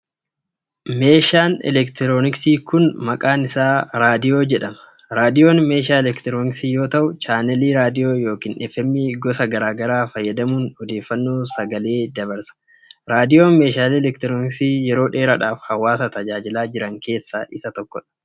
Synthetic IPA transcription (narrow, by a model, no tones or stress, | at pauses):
me̞ːʃaːnɛ̰lɛkt̪ɪɾoːnɪksiːkʊnmɐkʼaːnɪsaːɾaːd̪ɪjo̞ːd͡ʒɛᶑɐmɐ̥ɾaːd̪ɪjo̞ːnme̞ːʃaːɛlɛkt̪ɪɾoːnɪksiːjo̞ːt̪ɐʔʊt͡ʃaːnɛliːɾaːd̪ɪjo̞ːjo̞ːkiːnʔɛfɛmːiːɡɔsɐɡɐɾaːɡɐɾaːfɐjːɐd̪ɐmuːnɔd̪e̞ːfːɐnːoːsɐɡɐle̞ːd̪ɐbɐɾsɐ̥ | ɾaːd̪ɪjo̞ːnme̞ːʃaːliːɛlɛkt̪ɪɾoːnɪksiːjɛɾo̞ːᶑeːɾɐᶑaːfhɐwːaːsɐt̪ɐd͡ʒaːd͡ʒɪlaːd͡ʒɪɾɐŋke̞ːsːaʔɪsɐt̪ɔkːɔᶑɐ̥